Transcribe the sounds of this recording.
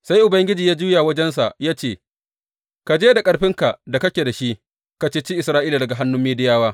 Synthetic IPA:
sa˦jʔʊ˨bɐ˦ŋɡʲɪ˦d͡ʒiː˨jaː˦d͡ʒuː˦jaː˨wɐ˦d͡ʒɛ˦ns̬a̰˨ʔjaː˦t͡ʃeː˦˨ | ka˨d͡ʒeː˦da˨kʼɐ˦ɽɸɪ˦ŋka˨ʔda˨kɐ˦kʲe˨da˨ʃi˦ʔ | ka˨t͡ʃeː˦t͡ʃiː˦ʔɪ˨sɾaː˦ʔiː˦la˨dɐ˨ɡa˨ɦa˦nːʊ˦mːiː˦dɪ˦jaː˦waː˦

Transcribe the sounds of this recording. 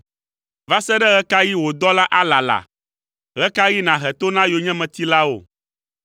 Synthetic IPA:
va˦sɛ˦ɖɛ˦ɣɛ˦ka˦ji˦wo˨d̪ɔ˦la˦ʔa˦la˨la̰˨ | ɣɛ˦ka˦ji˦nã˨ɦɛ˨t̪o˦nã˦jo˨ɲɛ̃˦mɛ̃˨t̪i˦la˦wo̰˨

